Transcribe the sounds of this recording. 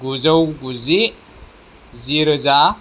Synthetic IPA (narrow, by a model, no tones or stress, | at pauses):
ɡuzawɡuzi | ziɾəza